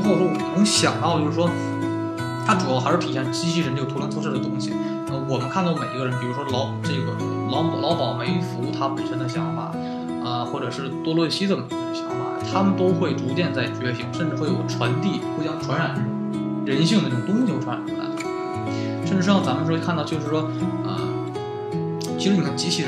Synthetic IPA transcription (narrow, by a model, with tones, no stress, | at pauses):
xʊʂwɔ˥wɔ˨˩˨ɕjɑ̰˨˩ŋt̪ɑ˥˧ʊt͡ɕjo˥˧ʂ̩ɻ̩˥wɔ˥ | t̪ʰa˥ʈ͡ʂu˨˩jɑ˥˩xɻ̩˥˩t̪ʰi˨˩jɛ˥˩n˥˩ɕi˥ɕi˥˩ɻnʈ͡ʂə˩t̪ʰu˥jnt͡sʰɔ˥ʈ͡ʂʰɤ˥˩ə˩t̪ʊ˥ŋɕḭ˨ | n˥˧mə˧˩wɔ˨˩mə˦nkʰa˥˧nt̪ʊme˨˩ɪ˧˥ɡə˧ɻə˧˥npi˨˩ɻu˧˥ʂwɔ˥lɑ˧˥ʊ˨˩ʈ͡ʂɤ˥˩ɡə˩ | lɑ˧˥m˨˩lɑ˧˥pɑ˨˩ʊme˧˥ɪfu˧˥u˥˩t̪ʰa˥˩pə˨˩nʂə˧˥nd̪ə˧ɕjɑ˧˥ŋfa̰˨˩˦ | ə˧xwɔ˥˩ʈ͡ʂɤ˨˩ʂɻ̩˥˩t̪wɔ˥˧lwɔ˥˩ɕi˥d̪ə˨˩me˨˩˥ə˧ɕjɑ˧˥ŋffa̰˨˩t̪ʰa˥mə˨nt̪o˥ʊxwe˥˩ɪʈ͡ʂu˧˥t͡ɕjɛ˥˧nt͡sa˥˩ɪt͡ɕɥɛ˥˩ɕi˧˥ŋʂə˥˧nʈ͡ʂɻ̩˥˧xwe˥˩ɪjo˨˩ʊʈ͡ʂʰwa˧˥nt̪i˥˩xo˥˧ɕjɑ˥˩ŋʈ͡ʂʰwa˧˥nɻa˨˩n˥ | ɻə˧˥nɕi˥˩ŋd̪ə˩˥˩ʊ˩ŋt̪ʊ˥ŋɕi˨˧xwʈ͡ʂʰwa˧˥˨a̰˧˥n˧˨˩ | ʂə˥˧ʈ͡ʂɻ̩˥˧˥ɑ˥˩t͡sa˧˥mə˧ʂ̩˧˥kʰt̪ʊt͡ɕjo˥˧ʊʂɻ̩˥˩ʂwɔ˥ | ə̰˧˩ | t͡ɕʰi˧˥ʂɻ̩˧˥ni˨˩kʰa˥˩t͡ɕi˥ɕʰi˥˩